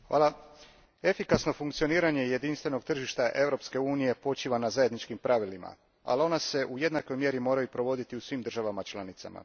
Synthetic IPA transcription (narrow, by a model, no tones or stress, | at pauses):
xʋa̰ːlˠa | e̞fikasno̞fuŋkt̪sio̞niːɾaɲe̞je̞d̪inst̪ʋe̞no̞ɡt̪r̩ʒiʃt̪aʔe̞vɾo̞pske̞uːnije̞po̞t͡ʃiːʋanazaje̞d̪nit͡ʃkimpɾaʋilima̰ | a̰lio̞nase̞ʔuje̞d̪nako̞jmje̞ɾimo̞ːɾajupɾo̞ʋo̞d̪it̪iusʋiːmd̪r̩ʒaʋamat͡ʃlˠanit̪sa̰ma̰